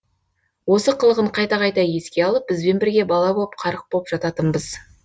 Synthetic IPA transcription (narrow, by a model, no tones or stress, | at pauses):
wo̞səqʰəlˠəʁəɴqʰɑjt̪ɑqɑjt̪ɑje̞skʲe̞ɑlˠəp̚b̥ɪzbe̞nbɪɾɡʲe̞bɑlˠɑboəp̚qʰɑɾəq̚boəpʒ̥ɑt̪ɑt̪ənbəz